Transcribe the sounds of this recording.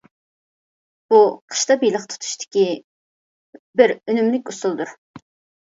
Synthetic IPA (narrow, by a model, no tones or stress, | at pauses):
b̥uqʰə̥ʃt̪ɑbijlˠəqt̪ʰt̪ʰu̥ʃt̪ʰɪ̥kʲi | bɪɾønymlɪkʲusulˠd̪uɾ